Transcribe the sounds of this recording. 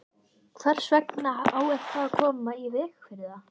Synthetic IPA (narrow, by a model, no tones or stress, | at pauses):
kʰvaɾ̥svɛknaaːwɛ̥t̪ʰːaakʰɔːmaivɪːxfvɪɾða